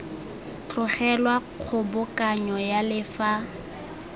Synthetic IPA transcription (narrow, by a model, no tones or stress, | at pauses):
t͡ɬʼʊχɛlwaq͡χʰʊbʊkʼaɲɔjalɪfa